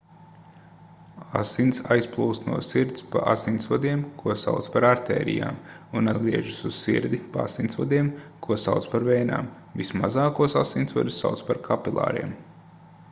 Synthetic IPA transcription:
asinsajsplˠuːst̪nuɔsiɾt̪spa̰ʔa̰sinsvad̪iɛmkʰuɔsa̰wt̪spaɾaɾt̪ɛ̰ːɾḭja̰ːm | unad̪ɡɾiɛʒusuzsḭɾd̪ipaa̰sinsvad̪iɛmkuɔsawt̪spaɾvɛjna̰ːm | vismazɑːkuɔsasint̪sva̰d̪usːa̰wt̪spaɾkʰapilˠa̰ːɾiɛm

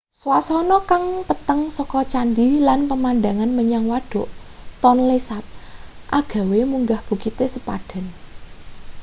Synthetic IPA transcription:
swasɔnɔkaŋpət̪əŋsɔkɔt͡ʃandilanpəmand̪aŋanməɲaŋwaɖ̥ɔ̤ʔt̪ɔnlesat̚ʔa̰ɡ̥ä̤wemuŋɡahb̥ṳkit̪esəpaɖ̥a̤n

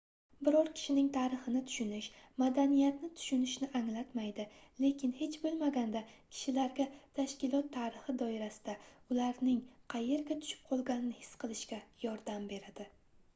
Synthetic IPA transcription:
bɪɾɒɾkʲʰɪ̥ʃɪnɪŋt̪ʰaɾɪχɨnɪt̪ʰʊ̥ʃʊnɪʃmad̪anijat̪nɪt̪ʰʊ̥ʃʊnɪʃnɪʔaŋlat̪majd̪ɪle̞kʲʰɪnhe̞t͡ʃbolˠmaɡʲand̪akʲʰɪ̥ʃɪlaɾɡʲat̪ʰaʃkʲɪlˠɒt̪ʰːaɾɪχɪd̪ɒɪɾasɪ̥d̪̥aʊlaɾnɪŋqʰɑje̞ɾɡʲat̪ʰʊ̥ʃɪ̥p̚qʰɒlˠɡʲanɪnɪhɪ̥sːqʰɨlˠɪʃkʲajɒɾd̪ambe̞ɾad̪̥ɪ

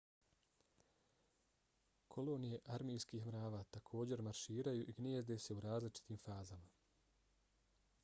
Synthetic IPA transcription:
kʰo̞lo̞ːnije̞ʔaɾmijskiːxmɾaːʋaːt̪akʰo̞ːd͡ʑe̞ɾmaɾʃiːɾajuʔiɡnʲjeːzd̪e̞se̞uɾaːzlit͡ʃi̥t̪iːmfaːzama

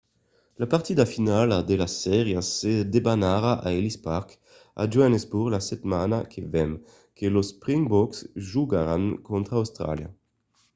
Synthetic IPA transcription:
lapaʁt̪id̪afinalad̪elasɛʁjased̪ebanaɾaʔaelispaʁk | a̰d͡ʒwanezbuʁlasɛt̪manakʰevɛm | kʰelospʁiŋbɔksʒuɡaɾaŋkɔnt̪ɾaːwst̪ɾa̰lja̰

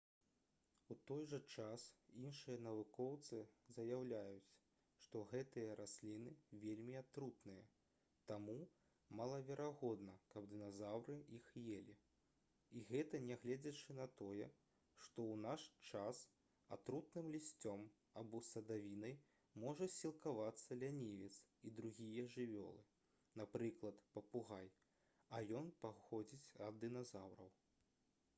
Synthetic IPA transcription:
ut̪ɔjʐɐt͡ʂasinʂɨjɐnɐvukɔwt̪sɨzɐjawlʲajut͡sʲ | ʂt̪ɔɣɛt̪ɨjɐɾʔasʲlʲinɨvʲelʲmʲiat̪ɾut̪nɨjɐ | t̪amu | malˠɐvʲɛɾʔaɣɔd̪nɐkɐbd̪ɨnazawɾɨixjelʲi | iɣɛt̪ɐnʲɛɣlʲɛd͡zʲɐt͡ʂɨnɐt̪ɔjɛ | ʂt̪ɔwnaʂt͡ʂas | a̰t̪ɾut̪̚nɨmlʲisʲt͡sʲɔm | abɔsɐd̪avʲinɐj | mɔʐɐsʲilˠkavat̪sːɐlʲanʲivʲit̪sid̪ɾuɣʲijɐʐɨvʲɔ̰lˠɨ | napɾɨklˠɐt̪pɐpuɣaj | ɐjɔnpaxɔd͡zʲit͡sʲɐd̪ːɨnazawɾɐ̰w

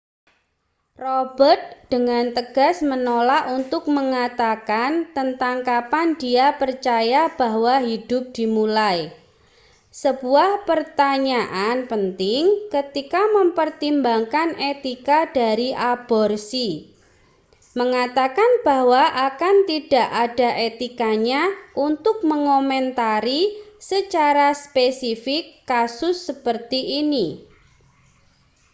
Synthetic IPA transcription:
rob̥ərt̪̚d̥əŋant̪əɡ̥a̤smənolaʔunt̪ʊk̚məŋat̪akant̪ənt̪aŋkapand̥iapərt͡ʃajab̥aɦwaɦid̥ʊp̚d̥imulaj | səb̥uahpərt̪aɲaʔanpənt̪ɪŋkət̪ikaməmpərt̪imbaŋkanet̪ikad̥aɾiʔab̥ɔrsi | məŋat̪akanb̥ahwaʔakant̪id̥a̤ʔad̥a̤ʔet̪ikaɲaʔunt̪ʊk̚məŋomɛnt̪aɾisət͡ʃaɾaspesifɪkːasʊsːəpərt̪iʔːni

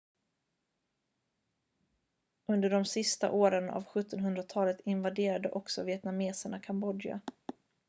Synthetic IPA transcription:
ɵnd̪əɖɔmsɪst̪a̰ʔoːɾəna̰vɧɵt̪ʰːɔnɦɵnd̪ɾat̪ʰɑːlət̪ɪnvad̪eːɾad̪əʔɔksɔvɪɛt̪nameːsəɳakʰambɔd̪ɪa̰

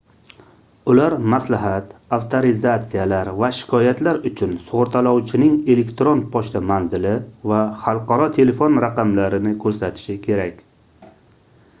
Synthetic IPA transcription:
ʊlaɾmaslaɦat̪aft̪ʰoɾɪzat̪sijalaɾvaʃɪ̥kʰɒjat̪laɾʊt͡ʃʰʊnsʊʁʊɾt̪ʰalɒwt͡ʃʰɪnɪŋe̞le̞kt̪ɾon̚pʰɒʃt̪ʰamanzɪlɪvaχɑlˠqʰɑɾɒt̪ʰe̞le̞fonɾaqɑmlaɾɪnɪkʰɵɾsat̪ʰɪ̥ʃɪkʲʰe̞ɾakʲ

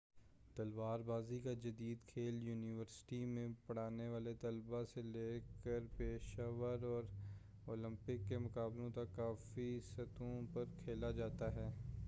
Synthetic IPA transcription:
t̪ɐlʋaːɾbaːzikad͡ʒɐd̪iːd̪kʰeːljuːnɪʋəɾsʈimẽpɐɽ̤aːneʋaːlet̪ɐlbaseleːkəɾpeːʃaːʋəɾɔːɾ | oːlə̃mpɪkːemʊkaːblõt̪akːaːfisɐt̪õpɐɾkʰeːlad͡ʒaːt̪aɦɛː

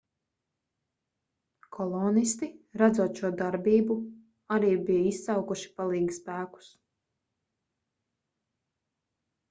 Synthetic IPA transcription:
kʰɔlˠɔnist̪iɾad̪zuɔt̪ʃuɔd̪aɾbiːbu | aɾiːbijissawkuʃi̥palˠiːɡspæːku̥s

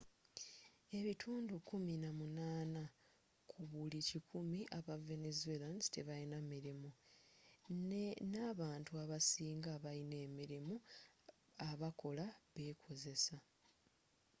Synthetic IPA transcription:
e̞βitʰuːndukuminamunaːna | kʰuβulicikʰumiʔaβave̞nezuelandteβainamiɾimu | nenaβaːntuaβasiːŋɡaːβaine̞ːmiɾimu | aβako̞laβe̞ːkʰo̞ze̞sa

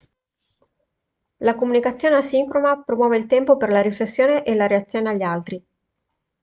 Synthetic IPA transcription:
lakomunikat̪sːjoːneasiŋkɾomapɾomwɔːveilt̪ɛmpoperlaɾiflesːjoːneʔelaɾeat̪sːjoːneaʎːalt̪ɾi

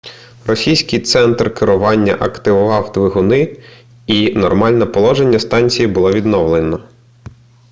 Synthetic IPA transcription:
rɔsʲijsʲkɪjt̪sɛnt̪rkɪɾʊʋɑnʲːɐ̰ʔɐkt̪ɪʋʊʋɑwd̪ʋɪɦʊnɪ | inɔrmɑlʲnɛpɔlˠɔʒenʲːɐst̪ɑnʲt͡sʲijibʊlˠɔʋʲid̪nɔʋlˠenɔ

